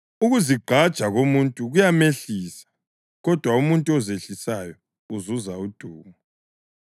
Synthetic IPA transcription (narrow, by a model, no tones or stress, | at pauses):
uɣuziɡ͡ǃʱad̥ʒ̥ʱaɣomuntʼuɣujameɬiːsḁ | ɣɔd̥ʱwaumuntʼuɔzeɬisajɔ | uzuzaud̥ʱuːmu